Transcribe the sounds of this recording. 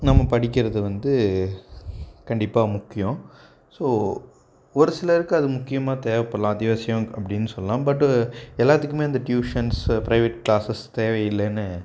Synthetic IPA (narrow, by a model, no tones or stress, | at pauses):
nɐmːɐpɐɽɪk̬ʲːɪɾɐðɯʋɐnd̪ɯ | kɐɳɖɪpːaːmʊkːɪjõʊ̃ | soː | ɔɾɯsɪlɐɾɯkːɯɐðɯmʊkːɪjɐmaːt̪eːʋɛpːɐɽlãːɐd̪ɪʋɐːsɪjɐ̃ɐpːɐɽɪnːɯsɔlːɐlãːbɐʈːɛlːaːt̪ːɯkːɯmeːɐnd̪ɐʈjuːʂɐnspɪɾɐɪʋɛʈːklaːsɐst̪eːʋɐjɪlːɛnːɯ